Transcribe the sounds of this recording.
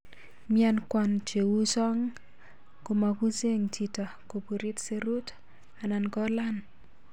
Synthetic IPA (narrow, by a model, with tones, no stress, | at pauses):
mja˦nkwa˨nt͡ʃe˨wu˦sɔ˦ŋ | ko˨ma˨ku˦se˦ŋt͡ʃi˨ta˨ko˨pu˨ɾi˦tse˦ɾu˦t | a˨na˨nkɔ˦la˦n